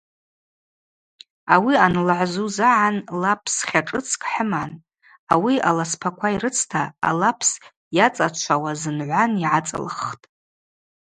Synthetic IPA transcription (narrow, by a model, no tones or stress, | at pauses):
awianlʕʷzuzaʕanlapʰsχʲaʈ͡ʂʼɨt͡sʰkʼħəman | awiʔalaspʰakʷʰaiɾɨt͡sʰtʰaa̰lapʰs | jat͡sʼat͡ʃʷʰawazɨnʕʷaniʕat͡sʼa̰lɨ̰χtʼ